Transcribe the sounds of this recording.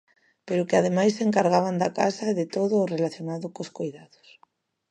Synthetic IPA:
peɾʊkeaðemajseŋkaɾɣ̞aβand̪akasaeðet̪oðʊːrelaθjonaðʊkoskojðaðʊ̥s

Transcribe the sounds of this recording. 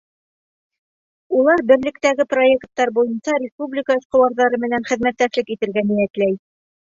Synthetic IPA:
ulˠɑɾbɘ̆ɾlɘ̆kt̪æɡɘpro̞e̞kt̪ːɑɾbujɤnsɑɾʲɪspublʲɪkəɤ̆ʃqɤ̆wɑɾðɑɾɤmɘ̆nænχɘ̆ðmæt̪ːæʃlɘkit̪ɘ̆ɾɡænijæt̪læj

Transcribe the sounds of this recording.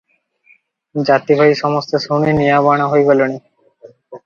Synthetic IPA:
d͡ʑat̪ibʱaiʃɔmost̪osoniniaβaɽ̃aɦoeɡoloni

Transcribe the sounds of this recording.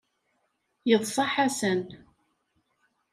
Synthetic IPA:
jəðˤsˤɑħasən

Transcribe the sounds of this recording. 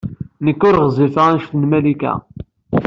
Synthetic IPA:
nəkːʊɾʁzˤifʁænʃt̪nmælikæ̰

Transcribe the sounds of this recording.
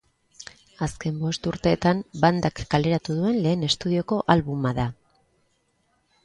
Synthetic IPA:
aske̞mbo̞st̪uɾt̪e̞ːt̪amband̪akːale̞ɾat̪uð̞ue̞nle̞ːne̞st̪uð̞io̞ko̞ʔalβumaða

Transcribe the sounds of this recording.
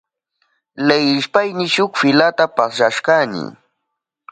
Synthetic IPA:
lejɪʃpajnɪʃʊkfɪlat̪apasɾaʃkanɪ̰

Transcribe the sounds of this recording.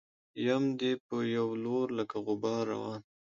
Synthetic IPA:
jamd̪epəjawloɾləkaɣʊbɑɾa̰wɑn

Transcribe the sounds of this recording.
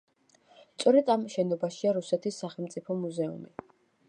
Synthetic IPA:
st̪sʼɔɾɛd̪amʃɛnɔbaʃiaɾusɛt̪ʰisːaχɛlˠmt̪sʼipʰɔmuzɛṵmi

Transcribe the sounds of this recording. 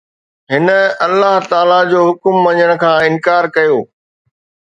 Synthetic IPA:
ɦɪnə̆ɐlːaɦt̪aːlad͡ʑoːɦʊkmːɐ̃ɲəɽ̃ə̆kʰãːɪ̃nkaːɾkɐjoː

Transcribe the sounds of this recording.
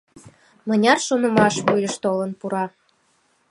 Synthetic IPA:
mə̆nʲɑrʃonə̆mɑʃβujəʃt̪olə̆npuɾɑ

